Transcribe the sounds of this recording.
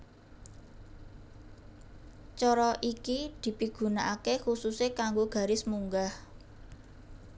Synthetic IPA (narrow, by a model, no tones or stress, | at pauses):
t͡ʃɔɾɔʔikid̪̥i̤piɡ̥ṳnaʔakexususekaŋɡoɡ̥ä̤ɾɪsmuŋɡah